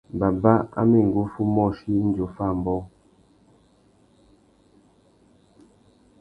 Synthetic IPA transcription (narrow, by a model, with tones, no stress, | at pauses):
ba˨ba˦a̰˦me˨ŋ̩˨ɡo˦fu˦mɔ˦˨ʃi˦n̩˦d͡ʒo˨fa˦˨m̩˨bɔ˦